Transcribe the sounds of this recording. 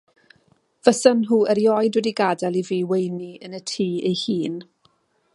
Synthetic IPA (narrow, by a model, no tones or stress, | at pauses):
v̥əsənɦuːəɾjɔjdwɛdiɡadɛlˠiviːwejniənətʰiːejhiːn